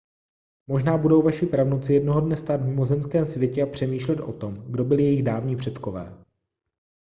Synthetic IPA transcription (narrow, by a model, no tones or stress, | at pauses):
mo̞ʒnaːbudo̞wvaʃɪpɾavnot͡sɪjɛdno̞ɦodnɛst̪aːd̪vɲɪmo̞zɛmskɛːmsvjɛcɛapr̝̥ɛmiːʃlɛt̪ʔo̞̰t̪o̞mɡdo̞bɪlɪjɛjɪɣdaːvɲiːpr̝̥ɛt̪ko̞vɛ̰ː